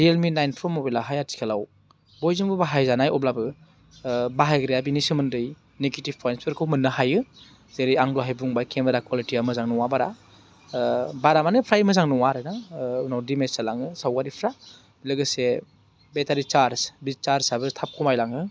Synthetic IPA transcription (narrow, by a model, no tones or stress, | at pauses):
ɾielminajnpʰɾɔmɔbilaɦajatʰi̥kʰelaw | bɔjzɯŋbɯbaɦajzanajɔb̚labɯ | baɦajɡɾejabinisɯmɯndɯj | neɡitib̚pʰɔɾenspʰeɾkʰɯwmɯnːɯhajɯ | zeɾijaŋduɦajbuŋbajkʰembɯɾakwalitiamɯzaŋnɔŋwabaɾa | baɾamanɯpʰɾajmɯzaŋnɔŋaɾɯnaunawdimesalaŋɯsawɡaɾipʰɾa | bilɯɡɯse | betaɾit͡ʃaɾsbit͡ʃaɾsabɯtʰap̚kʰumajlaŋɯ